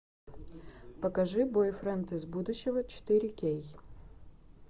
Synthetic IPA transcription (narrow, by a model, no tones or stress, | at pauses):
pɐkaʐɨbojfrɐnt̪ɨzbud̪ʊɕːɪvət͡ʃɪ̥t̪ɨɾʲɪkʲej